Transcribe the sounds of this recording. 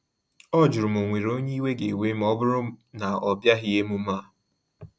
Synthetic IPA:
ɔ˦d͡ʒʊ˨ɾʊ˨mo˨ŋʷe˨ɾo˦ɲe˦i˦we˦ɡe˨we˦m̩˦ɔ˦bʊ˦ɾʊ˦na˨ɔ˨bja˦ɦɪ˦e˦mu˦ma˦˨

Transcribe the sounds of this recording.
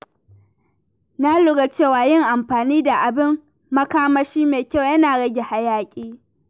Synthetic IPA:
na˦lʊ˦ɡa˨t͡ʃeː˦˨waː˨jɪ˦ŋʔa˨mɸaː˨niː˦da˨ʔa˨bɪ˦mː | ɐ˦kaː˦mɐ˦ʃiː˦meː˨kʲa˦˨wjɐ˦naː˨ɽɐ˦ɡʲe˨ha˦jaː˦kʲʼiː˦

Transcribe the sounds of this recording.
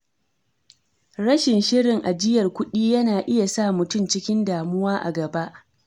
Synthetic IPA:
ɽɐ˦ʃɪ˨nʃɪ˦ɽɪ˨ŋʔa˨d͡ʒɪ˦jɐ˨rkʷʊ˦ɗiː˦jɐ˦naː˨ʔɪ˦ja˨sa˦mʊ˨tʊ˦˨mt͡ʃɪ˦kʲɪ˦ndaː˨mʊ˦waː˦ʔa̰˨ɡɐ˨ba˦ʔ

